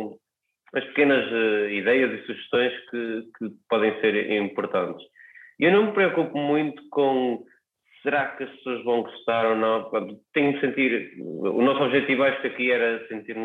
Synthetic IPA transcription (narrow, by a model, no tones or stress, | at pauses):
ɐʃpɨ̥kenɐzɛiðɛjɐzisuʒɨʃt̪õj̃ʃkɨkʰɨpɔðẽj̃seɾĩmpuɾt̪ɐ̃nt̪ɨʃiʔewnɐ̃w̃mpɾiɔkupumũj̪̃t̪u̥kõ | sɨɾakɐʃpsoɐʒβɐ̃w̃ɡuʃt̪aɾonɐ̃w̃pɾõnt̪ut̪ẽɲumsẽnt̪iɾṵnɔsɔβʒɛt̪ivuajʃu̥kɐkiɛɾɐsẽnt̪iɾm